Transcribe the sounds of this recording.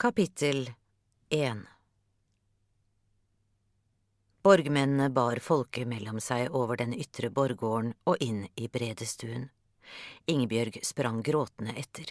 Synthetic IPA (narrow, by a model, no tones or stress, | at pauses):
kʰɑpɪt̪ʰəl | ʔeːn | b̥ɔɾɡmɛnn̩əbɑːɾfɔlkəmɛlɔmsæɪʔoːʋəɖɛnʏt̪ʰɾəbɔɾɡoːəɳoːʔɪniːbɾeːd̪əst̪ʰʉːən | ɪŋəbjœɾɡspɾɑŋɡɾoːt̪n̩əʔɛt̪ʰəɾ